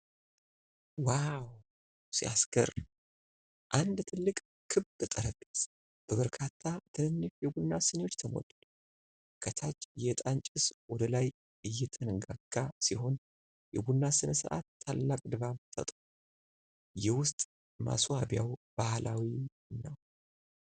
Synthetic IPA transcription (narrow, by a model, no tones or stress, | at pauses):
waw | siasɡə̰ɾ | ʔand̪t̪ʰɨlːɨkʼ | kʰɨβd̪ɨt̪ʼəɾəbis | b̥əβəɾkʰat̪ʰːat̪ʰɨnɨnːɨʃjɛɡunːasɨnewot͡ʃːt̪ʰəmo̰d̪ud̪ | kʰət̪ʰat͡ʃːjɛt̪ʼant͡ʃʼɪswɔd̪əlaj | ɨjːɛt̪ʰənɨɡaɡːasiɦo̞n | jɛɡunːasɨnəsɨ̰ʔa̰t̪ʰːalːakʼd̪ɨβaβt̪ʰə̰t̪ʼu | jɛwʊst̪ʼ | ma̰suabjawb̥ahlʔawi | nːəw